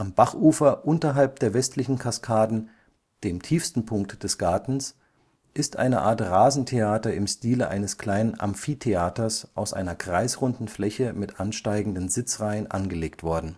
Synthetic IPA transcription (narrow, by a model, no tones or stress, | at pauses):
ʔamb̥aχʔuːfɐʔʊntɐɦalp̚d̥eːɐvɛstʰlɪçn̩kʰaskʰaːdn̩ | d̥eːmtʰiːfstn̩pʰʊŋk̚td̥ɛsɡ̥aɐtn̩s | ʔɪstʔa̰ɪnə̰ʔaːɐtʁaːzn̩tʰeaːtɐɪmʃtiːləʔa̰ɪnəskl̥aɪnənʔa̰mfiːtʰeaːtɐsʔaʊsʔa̰ɪnɐɡʁaɪsʁʊndn̩flɛçəmɪtʔanʃtaɪɡŋ̩dənzɪt͡sʁaɪənʔa̰nɡəleːktv̥ɔɐdn̩